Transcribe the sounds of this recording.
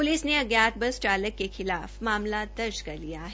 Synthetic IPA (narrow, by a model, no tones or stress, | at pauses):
pʊlɪsneɐɡjaːt̪̚bɐsʈaːləkkːexɪlaːfmaːmlad̪ɐɾd͡ʒkɐɾlijaɦɛ